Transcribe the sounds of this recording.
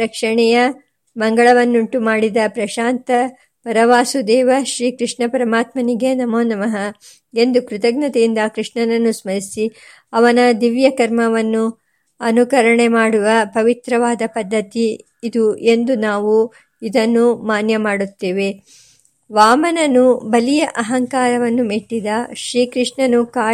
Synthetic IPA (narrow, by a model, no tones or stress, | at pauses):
ɾɐkʂɐɳɛjɐ | mɐŋɡɐɭɐʋɐnːuɳʈumaːɽid̪ɐpɾɐʃaːnt̪ɐ | pɐɾɐʋaːsud̪ɛːʋɐʃɾiːkɾiʂɳɐpɐɾɐmaːt̪mɐniɡenɐmoːnɐmɐɦɐ | e̞nd̪ukɾut̪ɐɡ̚nɐt̪ejind̪ɐkɾiʂɳɐnɐnːusmɐɾisi | ɐʋɐnɐd̪iʋjɐkɐɾmɐʋɐnːu | ɐnukɐɾɐɳemaːɽuʋɐpɐʋit̪ɾɐʋaːd̪ɐpɐd̪ʱːɐt̪iː | d̪uʔe̞nd̪unaːʋu | id̪ɐnːumaːnjɐmaːɽut̪ːeːʋe | ʋaːmɐnɐnubɐlijɐʔɐɦɐŋkaːɾɐʋɐnːumiʈːid̪ɐʃɾiːkɾiʂɳɐnukaː